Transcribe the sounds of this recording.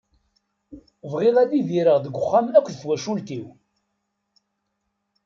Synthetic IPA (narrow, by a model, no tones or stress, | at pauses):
vʁɪðæðiðiɾəʁðəɡʷːʊχːamækʷːðθwæʃult̪iw